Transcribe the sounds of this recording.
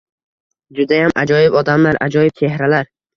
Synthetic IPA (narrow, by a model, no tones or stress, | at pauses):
d͡ʒʊd̪ajamʔa̰d͡ʒɒjɪbɒd̪amlaɾʔa̰d͡ʒɒjɪp̚t͡ʃ̪ʰe̞hɾalaɾ